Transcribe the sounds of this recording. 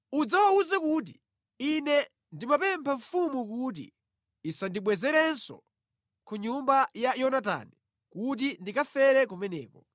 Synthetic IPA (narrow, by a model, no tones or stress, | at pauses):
ud͡zawauzɛkut̬i | inɛ | ndimapɛmpʰaɱfumukut̬ḭ | isandiɓwɛzɛɾɛnsɔ̰ | kʰuɲumbajajɔnata̰ni | kut̬indikafɛɾɛk̬umɛnɛ̰ːkɔ